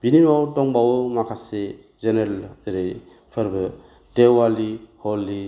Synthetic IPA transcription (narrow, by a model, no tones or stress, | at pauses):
b̥inimawtɔŋbawmakʰase | zeneɾlɾe | pʰɯɾbɯ | dewalihɔlːi